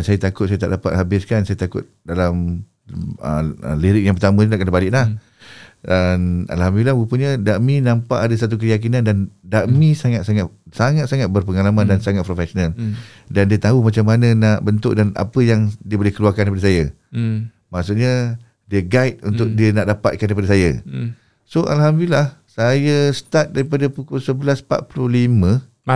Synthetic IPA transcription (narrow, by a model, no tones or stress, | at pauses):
dansajət̪akʊt̪̚sajat̪a̰ʔdapa̰t̪̚habɪskansajat̪akʊt̪̚dalam | ə̰ə̰liɾɪk̚jaŋpərt̪amə̃ɲənaʔkənabalɪʔlah | ana̰lɦamduilabupəɲadaʔmĩnãmpaʔadasat̪̬uk̬əjak̬inãndandaʔmĩsaŋat̪̚saŋasaŋat̪saŋat̪̚bərpəŋalamãndansaŋat̪̚pɾofɛsonal | dandiət̪aɦumat͡ʃamːanə̃naʔbənt̪ʊ̰ʔ̚dana̰pəjaŋdiəbolɛhkəluarkandaipadasaja | maʔsuʔ̚ɲa | diəɡait̪̚unt̪ʊk̚diənaʔdapa̰t̪̚kandaipadasaja̰ | soʔa̰lɦamduilahsajast̪at̪̚daɾipadapukulsəbəlaspa̰t̪̚puluhlimə̃